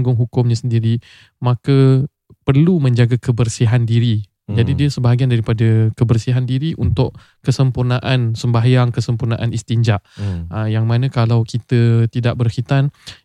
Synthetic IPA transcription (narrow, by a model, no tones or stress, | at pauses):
ŋɡʊŋɦukʊmɲãsəndiɾi | mãkə | pərlumə̃ɲd͡ʒaɡakəbərsiɦandiɾi | d͡ʒadidiəsəbaɦaɡiandaɾipadəkəbərsiɦandiɾiʔunt̪ʊʔ | kəsəmpurnaʔansəmbajaŋkəsəmpurnaʔanist̪iɲd͡ʒaʔəjaŋmãnə̃kalawkit̪ət̪idaʔ̚bərhit̪an